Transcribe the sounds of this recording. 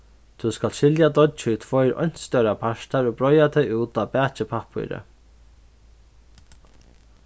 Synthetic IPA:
t̪ʰuskalʃɪljad̪ɔt̪t͡ʃut̪ʰvɔjɾɔ̰jn̥t̪st̪œwɾapʰaʃt̪aɾɔːbɾɔjat̪ʰɛjuːt̪abɛːt͡ʃɪpʰapʰṵjɾə̰

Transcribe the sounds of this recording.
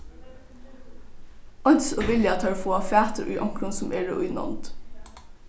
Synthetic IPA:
ʔɑnsoːʋɪljɑt̪ʰɑːɹfoːɑːfæːt̪əɾʔʉ̰ːʔɑŋkɾʊnsʊmʔeːɖḛːʔʉʏnɔ̰mt̪

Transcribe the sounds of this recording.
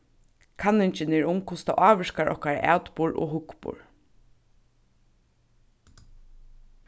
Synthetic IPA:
kʰanɪɲt͡ʃɪnɛɹʊmkʰʊst̪a̰ʔaːʋəʃkaɹʔɔ̰hkaɾa̰ʔæ̰ːt̪pʊɹʔo̰ːɦʊkpʊ̰ɹ

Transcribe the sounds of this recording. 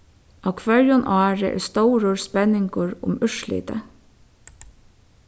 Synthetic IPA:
awkʰvœɹjʊnʔɔːɹə̰ʔɛ̰ɹst̪owɾʊɹspɛnːɪŋkʊɹʊ̰mʏʂlḭːt̪ə̰

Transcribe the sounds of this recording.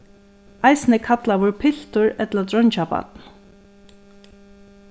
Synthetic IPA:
ajsnɪkʰat̪laʋʊɹpʰɪl̥t̪ʊɹɛt̪lat̪ɾɔɲt͡ʃapa̰t̪n

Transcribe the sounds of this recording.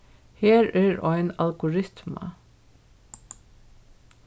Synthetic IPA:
heːɹɛɹɔjnalɡʊɹɪt̪mɑ̰

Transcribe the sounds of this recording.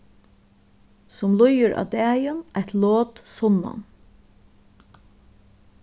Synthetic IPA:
sʊmlʊjəɹʔa̰ːd̪æːjənajt̪loːt̪sɔnːa̰n

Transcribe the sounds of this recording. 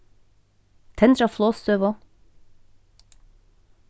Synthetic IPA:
t̪ʰɛnd̪ɾɑflˠoːst̪øːʋo

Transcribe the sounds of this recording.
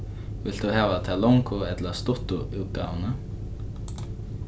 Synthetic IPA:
vɪl̥t̪uhaːvat̪ʰalɔŋkʰʊɛt̪last̪ʊht̪ʊuwka̰wna

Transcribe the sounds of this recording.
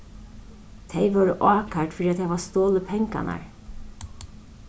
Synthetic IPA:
t̪ʰejʋœːɾəʔɑːkaʈfɪɾiːat̪ʰaʋast̪oːləpʰɛŋka̰na̰ɹ

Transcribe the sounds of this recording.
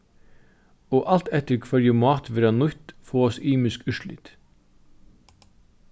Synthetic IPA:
oːʔɑlt̪ɛt̪əɾkʰʋœɾjəmɑːt̪ʋɪɾɑnʊt̪foːɔsiːmʏskʉʃlɪ̰t̪

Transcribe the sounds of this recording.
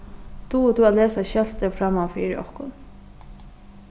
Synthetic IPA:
t̪ʰut̪ualeːsaɕɛl̥t̪əfɾamːafiːɾɪ̰ʔɔ̰hkʊn

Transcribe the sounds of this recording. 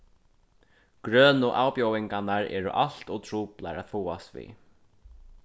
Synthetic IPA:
ɡ̥ɾœːnʊʔaːwpjɔwɪŋkanaɾɛ̰ːɾʊ̰ʔal̥t̪ɔt̪ʰɾuːpla̰ɾaðfuːast̪vḭː

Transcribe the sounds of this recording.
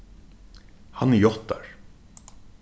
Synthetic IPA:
hanːɛjɔht̪ːaɹ

